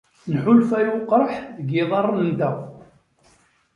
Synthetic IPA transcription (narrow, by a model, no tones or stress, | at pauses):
nħʊlfæjʊqɾˤħðəɡɪðˤɑrˤːnnd̪æ